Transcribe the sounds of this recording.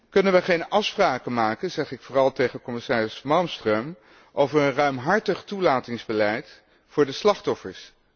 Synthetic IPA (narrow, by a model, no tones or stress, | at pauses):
kɵnənʋəχejnɑfspraːkəmaːkənzɛχɪkfʊːrɑlˠtejχəkɔmɪsaːrɪsmɑlˠmstrøm | ʔowvəɹənrœɥmɦɑɹtəχtulaːtɪŋzbəlɛjt | fʊːɹdəslɑχtɔfəɹs